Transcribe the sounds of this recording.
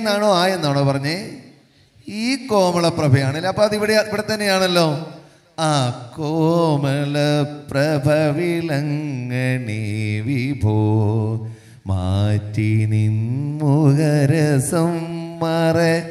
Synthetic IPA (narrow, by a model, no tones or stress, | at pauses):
nːaːɳoːaːjenːoːɳoːpɐrɐɲːɨ | iːkoːmɐɭɐprɐbʱɐjaːɳɐlːɐɐpːoːɐðiʋiɽeiʋiɽet̪ːɐnːejaːɳɐlːo̞ː | aːkoːmɐɭɐprɐbʱɐʋilɐŋːɐɳiʋibʱoː | maːtːininmuɣɐɾɐsɐmːɐre